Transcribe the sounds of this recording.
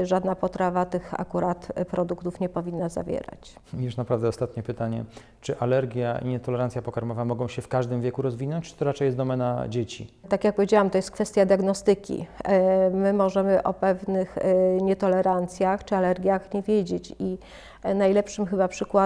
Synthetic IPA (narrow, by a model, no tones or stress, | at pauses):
ʐad̪napɔt̪ɾavat̪ɘxa̰kuɾat̪pɾɔd̪ukt̪ufɲɛpɔvʲinːaza̰vʲjɛ̰ɾa̰t͡ɕjuʂnapɾavd̪ɛɔst̪at̪ɲɛpɘt̪aɲɛ̰ | t͡ʂɘʔalɛɾɡʲjaʔḭɲɛt̪ɔlɛɾant̪sʲjapɔkaɾmɔvamɔɡɔ̃w̃ɕɛfkaʐd̪ɘmvʲjekuɾɔzvʲinɔɲt͡ɕt͡ʂt̪ɔɾat͡ʂɛjɛsd̪ɔmɛna̰d͡ʑet͡ɕḭt̪akjak̚pɔvʲjed͡ʑawamt̪ɔjɛst̪̚kfɛst̪jad̪ʲjaɡnɔst̪ɘkʲḭ | mɘmɔʐɛmɘʔɔpɛvnɘxɲɛt̪ɔlɛɾant̪sʲjaxt͡ʂɘalɛɾɡʲjaxɲevʲjed͡ʑet͡ɕi | najlɛpʂɘmxɘbapʂɘkwa